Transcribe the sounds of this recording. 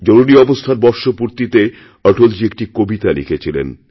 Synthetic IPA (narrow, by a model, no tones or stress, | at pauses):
d͡ʑoɾuɾiɔbost̪ʰaɾbɔɾʃopuɾt̪it̪e | əɾʈold͡ʑiek̚ʈikobit̪alḭkʰet͡ɕʰilḛn